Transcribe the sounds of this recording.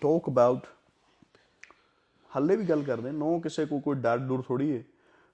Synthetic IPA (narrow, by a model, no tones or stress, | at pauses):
ʈɔːkəbaːʊʈ | həlːeːʋiːɡəlkəɾd̪ẽːnɔ̃ːkɪseːkoːkoːiːɖəːɾɖɖʊːɾt̪ʰoːɽiːeː